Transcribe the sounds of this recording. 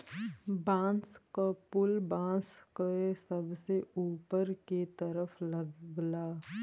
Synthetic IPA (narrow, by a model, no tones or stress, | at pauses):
bãːnskapʊlbãːskaesəbseuːpəɾket̪əɾəfləɡɡlaː